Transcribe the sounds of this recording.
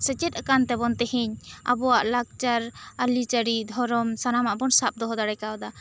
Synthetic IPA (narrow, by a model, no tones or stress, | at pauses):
sət͡ʃɛt̪̚akant̪ɛbɔnt̪ɛhiɲa̰bɔwaʔlak̚t͡ʃaɾalit͡ʃəɽid̪ʱɔɾɔmsanamaʔbɔnsap̚d̪ɔɦɔd̪aɽɛjkaɔd̪a